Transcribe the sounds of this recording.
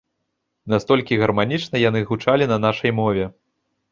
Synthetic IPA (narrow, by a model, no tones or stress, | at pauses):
nast̪ɔlʲkʲiɣɐrmanʲit͡ʂnɐjan̪ɨɣut͡ʂalʲinɐnaʂɐjmɔvʲɛ